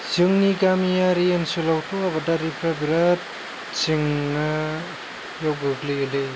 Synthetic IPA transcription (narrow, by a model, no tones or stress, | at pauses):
zɯŋniɡamijaɾiensulawtʰoabadaɾipʰɾabiɾat̚ | t͡ʃiŋna | jawɡɯɡlɯɯle